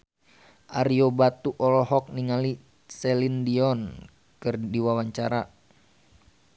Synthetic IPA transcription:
ʔaɾiobat̪uʔɔlɔɦɔk̚niŋali | sɛlindiɔn | kɨrdiwawaɲt͡ʃaɾa

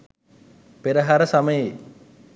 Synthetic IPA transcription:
peɾəɦaɾəsaməje

